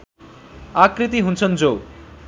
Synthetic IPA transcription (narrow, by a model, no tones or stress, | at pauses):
akrit̪̬iɦunt͡sʰʌnd͡zow